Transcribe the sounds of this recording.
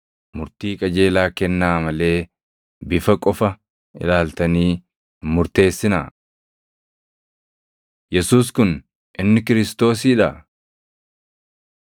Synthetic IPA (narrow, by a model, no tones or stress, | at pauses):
mʊɾt̪iːkʼɐd͡ʒe̞ːlaːkɛnːaːmɐle̞ː | bɪfɐkʼɔfɐ | ɪ̰laːlt̪ɐniː | mʊɾt̪e̞ːsːɪna | jɛsuːskʊn | ʔɪnːɪkɪɾɪst̪o̞ːs̬iːᶑɐ